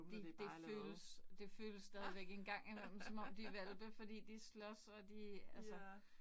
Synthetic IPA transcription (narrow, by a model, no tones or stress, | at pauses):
d̥id̥e̝føːləsd̥e̝føːləsːd̥ɛːð̞ˠiʋeɡ̥enɡ̥ɑ̈ŋ̰imel̰m̩sɒ̽mɒ̽md̥iʋælb̥əfɒ̽d̥ḭːd̥islɒ̽sɒ̽d̥iælsə